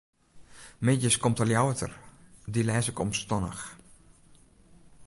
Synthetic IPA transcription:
mɪdjəskɔmtərljawətə̰rdilɛːsɪkɔmstɔnə̰x

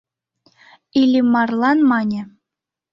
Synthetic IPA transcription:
ilʲimːɑrlˠɑnmɑnʲɘ̆

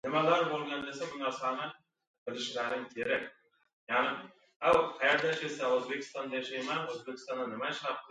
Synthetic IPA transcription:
nɪmælˠɑɾbolˠɡɑnd̪esebʊnɑɾsɑnə | b̥ɪlɪʃlæɾɪŋkʲʰeɾek̚ʲ | jɑʁnɪ | æwqʰɑjeɾd̪æʃesæwɵzbe̞kʰʲɪ̥st̪ɑnd̪ɑjɑʃɑjmɑwɵzbekʲɪ̥st̪ɑnd̪ɑnɪmæʃɑp̚t̪

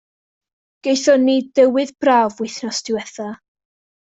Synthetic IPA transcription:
ɡ̥ejθɔnidəwɨðbraːvwɪjθnɔsd̥ɪwɛθa

